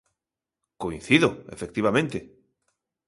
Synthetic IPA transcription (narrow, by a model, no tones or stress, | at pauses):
koĩn̟θiðoe̞̰fe̞k̚t̪iβ̞amẽnt̪e